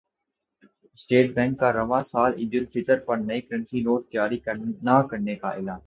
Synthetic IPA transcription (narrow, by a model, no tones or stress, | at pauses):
sʈeːʈ̚bɛ̃ːŋkːaɾɐʋãːsaːlɪ̰d͡ʒʊlfʰɪʈəɾpɐɾnɐekəɾə̃nsiloːɾt̪ɪjaːɾikənakɐɾnekaʔɪlaːn